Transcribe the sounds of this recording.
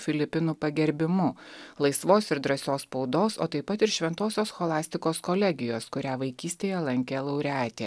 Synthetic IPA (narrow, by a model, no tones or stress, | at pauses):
fʲɪlʲɪpʲɪnuːpɐɡʲɛɾʲbʲɪmʊlˠɐɪsʋoːsɪɾd̪ɾɐsʲoːspɒʊd̪oːso̰ːt̪ɐɪpɐt̪ɪɾʃʲʋʲɛnt̪oːsʲoːsxoːlˠɑːsʲt̪ʲɪkoːskolʲɛɡʲɪjoːskʊɾʲæːʋɐɪkʲiːsʲt̪ʲeːjɛlˠɐŋʲkʲeːlˠɐʊɾʲæːt̪ʲḛː